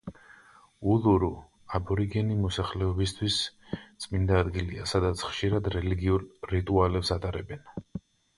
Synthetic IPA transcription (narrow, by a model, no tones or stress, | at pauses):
uluɾu | abɔɾiɡɛnimɔsaχlɛɔbist̪ʰwist̪sʼmind̪aːd̪ɡiliasad̪at̪sʰχʃiɾad̪ɾɛliɡiuɾːit̪ʼualɛpsat̪ʼaɾɛbɛn